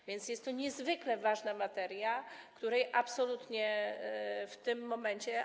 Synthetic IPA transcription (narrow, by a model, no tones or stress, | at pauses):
vʲjɛnt̪sjɛst̪t̪ːɔɲɛzvɘklɛvaʐnamat̪ɛɾjakt̪uɾɛjʔapsɔlut̪ɲɛ | ft̪ɘmːɔmɛɲt͡ɕɛ